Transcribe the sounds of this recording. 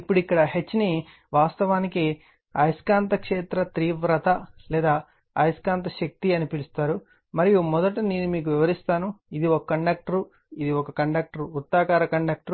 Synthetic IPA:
ipːuɽuikːɐɽɐɦe̞t͡ʃːni | ʋaːst̪ɐʋaːniki | ɐjskaːnt̪ɐkʂeːt̪ɾɐt̪ɾiːʋɾɐt̪ɐlɛːd̪aː | ɐjskaːnt̪ɐʃɐk̚t̪iɐnipilust̪aːɾu | mɐɾijumɔd̪ɐʈineːnumiːk̬uʋiʋɐɾist̪aːnuid̪iɔkɐkːɐɳɖaːk̚ʈɐɾu | id̪iɔkɐkɐɳɖaːk̚ʈɐɾuːt̪ːaːkaːɾɐkɐɳɖaːk̚ʈɐɾ

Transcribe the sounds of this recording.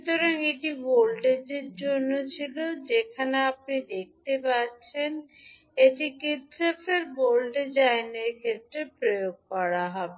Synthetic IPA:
ʃut̪oɾaniʈibolɖed͡ʑeɾd͡ʑonːot͡ɕʰilod͡ʑekʰaneap̚nid̪ek̚t̪epaɾt͡ɕʰen | etikit̪ʃoteɾbolɖed͡ʑaeneɾkʰet̪ːɾepɾojoɡ̚kɔɽaɦɔbe

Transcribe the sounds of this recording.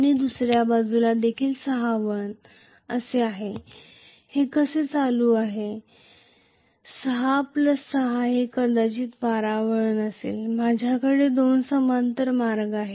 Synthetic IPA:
ñid̪usɾjabad͡zulad̪ekʰiːlsəɦaʋəɳ | əseaɦe | hekəset͡saluːaɦe | səɦapləsːəɦaɦekəɾd̪at͡ɕiːt̪baɾaʋəɭənəsḛːlmad͡ʑʱjakəɽed̪onsəmant̪əɾmaɾɡaɦe

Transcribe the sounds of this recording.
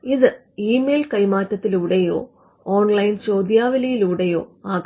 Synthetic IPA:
iðɨ | iːmeːlkɐjmaːtːɐt̪ːiluːɽejo̞̰ː | oːnlɐjnt͡ɕo̞ːd̪jaːʋɐlɐjiluːɽejo̞ːaːɡ

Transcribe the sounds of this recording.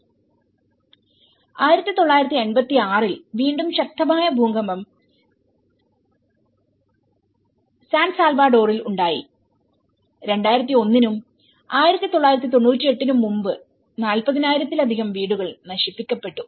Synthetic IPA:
aːjiɾɐt̪ːit̪o̞ɭːaːjiɾɐt̪ːie̞nbɐt̪ːiaːrilʋiːɳɖumɕɐk̚t̪ɐmaːjɐbʱuːŋɡɐmbɐm | saːnɖsaːlbaːɖo̞ːriluɳɖaːjḭ | ɾe̞ɳɖaːjiɾɐt̪ːio̞nːinum | aːjiɾɐt̪ːit̪o̞ɭːaːjiɾɐt̪ːit̪o̞ɳːuːtːie̞ʈːinumːumbɨ | naːlpɐðinaːjiɾɐt̪ːilɐd̪ʱiɣɐmʋiːɽuɣɐɭnɐɕipːikʲːɐpːe̞ʈːu

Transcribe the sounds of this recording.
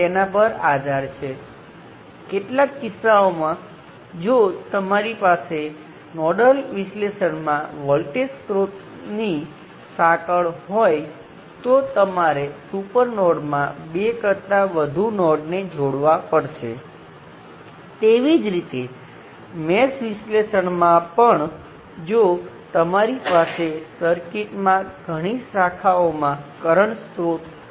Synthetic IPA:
t̪enapəɾad̪ʱaɾt͡ʃʰe | keʈlakːɪsːaomã | d͡ʒot̪əmaɾipase | nɔɖəlʋɪsleʃənmãʋɔlʈeskɾot̪ | ni | sakəɭɦɔj | t̪ot̪əmaɾesupəɾnɔɖmãbekəɾt̪aʋəd̪ʱunɔɖned͡ʒoɽʋapəɽʃe | t̪eʋid͡ʒɾit̪e | mesʋisleʃəɳmãpəɳ | d͡ʒot̪əmaɾipasesəɾkiʈmãɡʱəɽ̃isakʰaomãkəɾəɳst̪ɾot̪

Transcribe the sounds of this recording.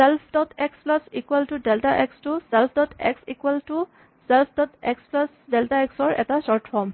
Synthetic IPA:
sɛlpʰdɔtʰɛksplasikwaltudɛltaʔɛkstusɛlpʰdɔtʰɛ̰ksikuwaltu | sɛlpʰdɔtʰɛksplasdɛltaɛksɔɹʔɛ̰tasɔɹtfɔɹm

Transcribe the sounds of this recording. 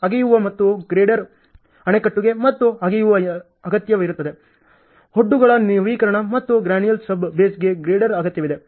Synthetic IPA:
ɐɡejuʋɐmɐt̪ːuɡɾeːɖɐɾ | ɐɳekɐʈːuɡe̞mɐt̪ːuɐɡejuʋɐ | ɐɡɐt̪jɐʋiɾut̪ːɐd̪e̞ | hoɖːuɡɐɭɐniʋiːkɐɾɐɳɐmɐt̪ːuɡɾaːnijɐlsɐbːeːsɡe̞ɡɾeːɖɐɾɐɡɐt̪jɐʋid̪e̞

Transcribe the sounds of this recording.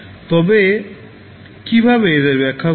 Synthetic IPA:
t̪ɔbe | kibʱabeed̪eɾbɛkʰːa

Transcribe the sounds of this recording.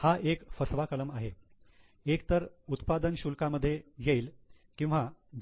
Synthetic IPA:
haʔekfəsʋakələmaɦe | ek̚t̪əɾut̪pad̪ənɕulkaməd̪ʱːjejeiːl | kĩw̃ʋad͡ʑ

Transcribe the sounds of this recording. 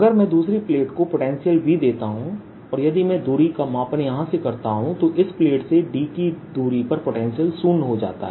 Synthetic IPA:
ɐɡəɾmɛ̃ːd̪uːsɾipleːʈkopoːʈɛ̃ːnsijəlbʱid̪eːt̪aɦũ | ɔːɾjɐd̪imɛ̃d̪uːɾikamaːpənjɐɦãsekɐɾt̪aɦũt̪oʔɪspleːʈseɖiːkid̪uːɾipɐɾpoːʈɛ̃ːnsijəlsuːnɦod͡ʒa̰ːt̪a̰ɦɛː

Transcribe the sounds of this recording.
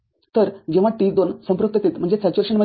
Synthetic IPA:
t̪əɾd͡ʑeʋ̤aʈt̪iːt͡sd̪onsə̃mpɾəkt̪ət̪iːt̪m̤əɳd͡zet͡sat͡ɕəɾʂəɳmə

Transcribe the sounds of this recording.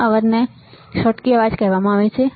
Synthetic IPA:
əʋəɾne | ʃɔʈkiəʋad͡ʒkɛɦʋamãaːʋet͡ʃʰe

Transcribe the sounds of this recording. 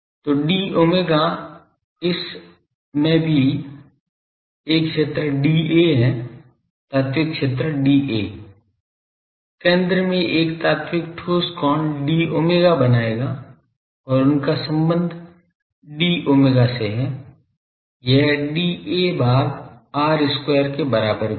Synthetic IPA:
t̪oːɖiːoːmeːɡa | ɪs | mẽbʱi | eːkʃeːt̪ɾəɖiːeɦɛ | t̪aːt̪wɪkʃeːt̪ɾəɖiːʔḛː | kẽːnd̪ɾəmẽʔeːkt̪aːt̪wɪkʈʰoːskɔːnɖiːoːmeːɡabɐnaːeːɡaː | ɔːɾʊnkasə̃mbə̃nd̪ʱ | ɖiːʔoːmeːɡaseɦɛ | jɛɦɖiebaːɾaːɾɪskwɛːəɾkebɐɾaːbəɾ

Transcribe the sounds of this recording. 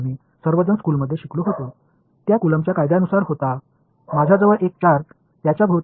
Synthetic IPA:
miː | səɾʋəd͡zənskuːlməd̪ʱːjeɕikluɦot̪o | t̪jakuləmt͡ɕjakajd̪janusaɾɦot̪a | mad͡zʱad͡zəʋəɾʔek̚t͡ɕaɾ | t̪jat͡ɕjabʱəʋt̪

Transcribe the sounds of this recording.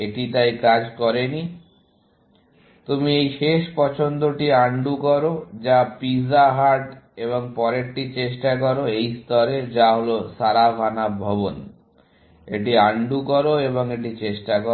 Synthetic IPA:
eʈit̪ajkad͡ʑkɔɾeni | t̪umiejʃeʃpɔt͡ɕʰond̪oʈiaɳɖukɔɾod͡ʑapizaɦaɾʈeβoŋpɔɾek̚ʈit͡ɕeʃʈakɔɾoejst̪ʰɔɾed͡ʑaɦolosaɾabʱanabʱɔbon | ḛʈ̬iaɳɖukɔɾoeβoŋeʈit͡ɕeʃʈakɔ

